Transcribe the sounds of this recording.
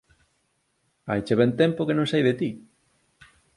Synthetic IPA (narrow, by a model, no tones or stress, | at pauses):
a̰jt͡ʃeβɛnt̪ɛ̃mpokenõŋsajðet̪i